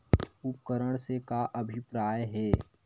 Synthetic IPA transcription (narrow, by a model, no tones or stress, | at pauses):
ʊp̚kəɾəɽ̃sekaʔɐbʱɪpɾaːjɦɛː